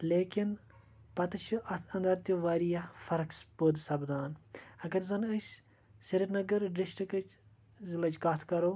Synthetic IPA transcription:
leːkin | pɐt̪ɐt͡ʃʰiɐt̪ʰɐnd̪ɐɾt̪iʋaːɾijafɐɾɐkspod̪sɐbd̪aːnɐɡɐɾzɐnɐsʲ | siɾinɐɡɐɾɖiʃʈikɐt͡ʃ | zilɐt͡ʃɡɐt̪ʰkɐɾoː

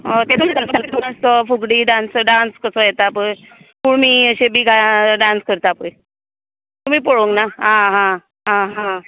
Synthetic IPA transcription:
t̪et̪umid̪at̪aket̪uməst̪əfuɡɽiːɖansɖanskəsəːjɛt̪apəɳ | puːɳmiːəɕebʱiːɡʱaɖanskəɾt̪apəj | t̪um̤iːpəɭoŋɡnaɦãɦã | ɦãɦã

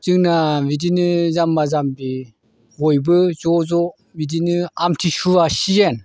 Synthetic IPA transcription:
zɯŋnabidinɯzamːazambi | hɔjbɯzɔzɔ | bidinɯamtʰisuasijen

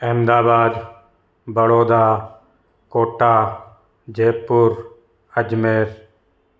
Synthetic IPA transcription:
eːmd̪aːbaːd̪ | bəɽoːd̪aː | koːʈaː | d͡ʒeːpːʊɾ | əd͡ʒmeːɾ

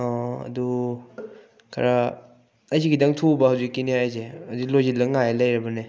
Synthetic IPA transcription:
ɔɐ̰du | kʰaɾa | ɐjsʰiɡidaŋtʰubɐhawzikːinihajzeɐdilojzilːɐŋajelɐjɾɐbɐne

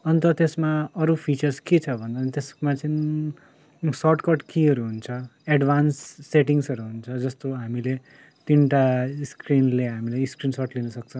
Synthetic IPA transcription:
ʌnt̪ʌt̪esmaʌɾupʰit͡sʌrsket͡sʰʌbʱʌnd̪anit̪esmat͡sʌn | sʌʈkʌrʈkiʌɾuɦunt͡sʰʌeɖbʱansːeʈiŋsʌɾuɦunt͡sʰʌd͡zʌst̪oɦamile | t̪inʈaiskrinleɦamilajskrinsʌʈlinʌsʌk̚t͡sʰʌ

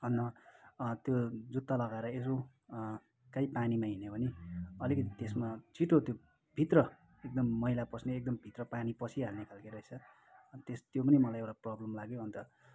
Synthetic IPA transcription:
ʌnːʌ | t̪jod͡zut̪ːalʌɡaeɾʌes̬o | kaipanimaɦinebʱʌniʌlikʌt̪it̪esmat͡siʈot̪jo | bʱit̪rʌ | ek̚d̪ʌmːʌɦilapʌsneek̚d̪ʌmbʱit̪rʌpanipʌsʰiɦalnekʰalkeɾʌɦet͡sʰʌ | t̪est̪jopʌnimʌlajewʈaprʌblʌmlaɡjoɦʌnt̪ʌ

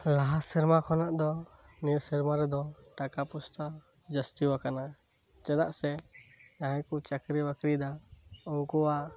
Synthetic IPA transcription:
laɦasiɾmakʰɔnaʔd̪ɔ | niɾsiɾmaɾɛd̪ɔʈakapust̪ə | d͡ʒast̪iwakana | t͡ʃɛd̪aʔsɛ | aɦɛ̃kut͡ʃakɾibakɾid̪aɔŋkuwa

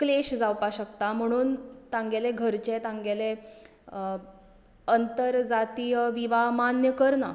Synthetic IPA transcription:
kleɕd͡zawpaɕəkt̪am̤əɽ̃uːnt̪ãŋɡeleɡʱəɾt͡ɕet̪ãŋɡele | ənt̪əɾd͡zat̪iːjəʋiʋaɦmanjəkəɾna

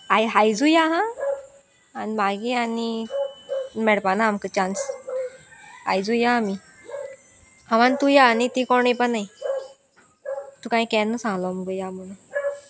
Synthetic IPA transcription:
ajɦajd͡zujaɦã | nibaɡiani | mɛɽpanaːmkət͡ɕans | a̰jd͡zujaːmi | haʋant̪ujaːnit̪ikɔɳipəaj | t̪ũkãĩkɛnːəsãŋɡlɔməɡəjam̤əɽ̃ũ

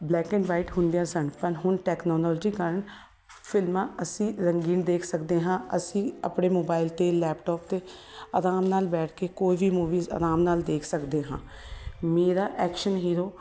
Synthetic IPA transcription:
blɛːkɛ̃ɳʋaːɪʈɦʊ̃nd̪ijãːsəɳpəɾɦʊnʈɛːknɔːlɔːld͡ʒiːkəɾəɳ | pʰɪlmãːəsĩːɾəŋɡiːnd̪eːkʰsəkd̪eːɦãːəsĩːə̰pɽeːmoːbaːɪlt̪eːlɛːpʈɔːpt̪eː | əɾaːmnaːlbɛːʈʰkeːkoːiːʋʱiːmuːʋiːzə̰ɾaːmnaːld̪eːkʰsəkd̪eːɦã̰ː | meːɾaːʔɛːkʃənɦiːɾoː

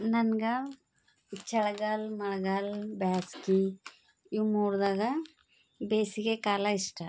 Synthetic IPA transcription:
nɐnɡɐ | it͡ʃːɐɭɐɡɐlmɐɭɐɡalbaːski | iwmuːɾd̪aːɡɐ | beːsiɡekaːlɐiʂʈɐ

